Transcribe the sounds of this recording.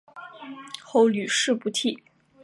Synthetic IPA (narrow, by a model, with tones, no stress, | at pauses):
xo˥˩ʊly˨˩ʂɻ̩˥˩pu˧˥t̪ʰi˥˩